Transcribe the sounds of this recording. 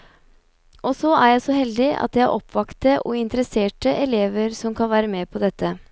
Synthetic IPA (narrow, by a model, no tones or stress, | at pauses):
ʔɔsɔæjæɪsɔhɛld̪ɪʔɑ̰t̪jæ̰ʔɔpʰːʋɑkt̪əʔɔ̰ɪnt̪əɾəseːʈəʔɛleːʋəɾsɔmkʰɑnʋæːɾəmeːpʰɔd̪ɛt̪ːə